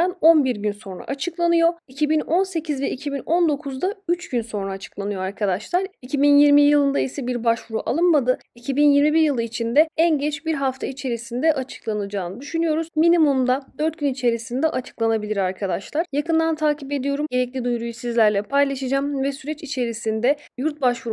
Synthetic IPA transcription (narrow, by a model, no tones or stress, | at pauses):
ano̞nbiɾɟynso̞nɾa̰ʔat͡ʃʰɯklˠanɯjo̞icʰibino̞nse̞cʰizvɛicʰibinond̪o̞kʰuzd̪ayt͡ʃɟ̥ynso̞nɾaːt͡ʃʰɯ̥klˠanɯjo̞aɾkʰad̪aʃlˠaɾicʰibinjiɾmijɯlˠɯnd̪aisɛbiɾbaʃvuɾuʔa̰lˠɯnmad̪ɯicʰibinjiɾmibiɾjɯlˠɯit͡ʃʰind̪ɛænɟɛt͡ʃbiɾɦaft̪ʰait͡ʃʰe̞ɾisind̪ɛʔat͡ʃʰɯ̥klˠanɯd͡ʒaːnɯd̪yʃynyjo̞ɾuzminimumd̪ad̪ø̞ɾt̪̚ɟynit͡ʃʰe̞ɾisind̪ɛʔat͡ʃʰɯ̥klˠanabilʲiɾaɾkʰad̪aʃlˠaɾ̥jakɯnd̪ant̪ʰaːcip̬e̞d̪ijo̞ɾumɟe̞ɾɛclʲid̪ujɾujusizlʲæɾlʲɛpʰajlˠaʃɯd͡ʒaːmvɛsyɾɛt͡ʃit͡ʃʰe̞ɾisind̪ɛ | juɾt̪̚baʃvuɾu